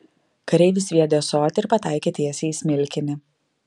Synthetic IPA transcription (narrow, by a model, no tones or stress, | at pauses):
kɐɾʲɛɪʋʲɪs̬ʲʋʲiɛd̪ʲejɛsoːt̪ʲɪɪɾpɐt̪ɑˑɪkʲeːt̪ʲiɛsʲeɪsʲmʲɪlʲkʲɪnʲɪ